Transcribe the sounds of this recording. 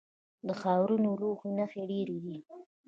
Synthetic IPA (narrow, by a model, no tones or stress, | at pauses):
d̪əxɑwɾunoloxunaxeɖeɾed̪i